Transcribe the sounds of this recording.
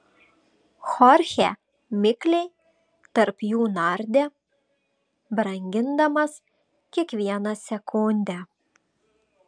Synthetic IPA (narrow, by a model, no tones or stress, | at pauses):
xɔɾʲxʲɛ̰ | mʲɪklʲɛɪ | t̪ɐɾpjuːnɐɾʲd̪ʲɛ | bɾɐŋʲɡʲɪnd̪ɐmɐs | kʲiɛkʋʲiɛnɐsʲɛkʊnʲd̪ʲɛ